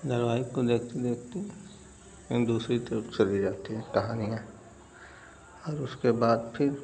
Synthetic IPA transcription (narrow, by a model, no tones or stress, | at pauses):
d̪ɐɾʋaːikod̪eːkʰt̪id̪eːkʰt̪i | ẽd̪uːsɾit̪ɐɾəft͡ʃɐlid͡ʒaːt̪iɦɛ̃kɐɦaːniã | ɔːɾʊskebaːd̪pʰɪɾ